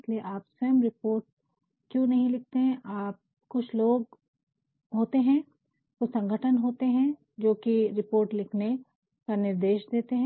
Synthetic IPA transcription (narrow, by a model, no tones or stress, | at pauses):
ɪslieʔaːpseːmɾɪpoːɾʈ̚ | kjõnɐɦĩlɪk̚ʰt̪eɦɛ̃ʔaːp̚ | kʊt͡ʃʰloːɡ̚ | ɦoːt̪eɦɛ̃ | kosɐ̃ŋɡʱəʈʰənɦoːt̪eɦɛ̃ | d͡ʒoːkiɾɪpoːɾʈlɪkʰne | kanɪɾd̪eːʃd̪eːt̪eɦɛ̃